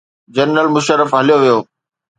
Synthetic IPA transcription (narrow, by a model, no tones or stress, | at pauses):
d͡ʑɐɾɾəlmʊʃəɾəfɦɐlijoʋijoː